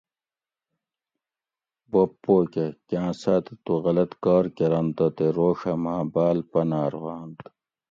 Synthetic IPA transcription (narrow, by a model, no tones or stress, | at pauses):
bopːoːkekjãːsat̪et̪uɣɐlɐt̪kaːɾkeɾɐnt̪ɐt̪eɾoːʂɐmãːbaːlpɐnaːɾwaːnt̪